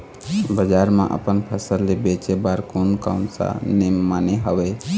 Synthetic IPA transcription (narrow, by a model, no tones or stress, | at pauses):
bəd͡ʒaːɾmã̰ʔə̰pənpʰəsəɾlebet͡ʃebaɾkonka̰ʊnsa̰nemaːneɦəʋe